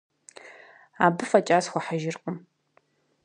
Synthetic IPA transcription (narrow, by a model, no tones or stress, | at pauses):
aːbɨfɐt͡ʃʼaːsχʷɔħaʒɪrqʼəm